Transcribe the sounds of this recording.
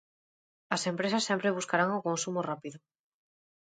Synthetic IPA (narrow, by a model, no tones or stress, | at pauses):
ɐsẽmpɾesɐsːempɾeβ̞uskaɾaŋokõnsumorapiðʊ